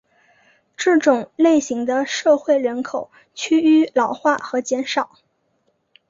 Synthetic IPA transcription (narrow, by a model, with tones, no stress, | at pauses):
ʈ͡ʂɤ˥˩ʈ͡ʂʊ˨˩ŋle˥˩ɪɕi˧˥ŋd̪ə˧ʂɤ˥˧xwe˥˩ɪɻə˧˥nkʰo˨˩ʊ | t͡ɕʰy˥y˥lɑ˨˩ʊxwa˥˩xɤ˧˥t͡ɕjɛ˧˥nʂɑ˨˩˦ʊ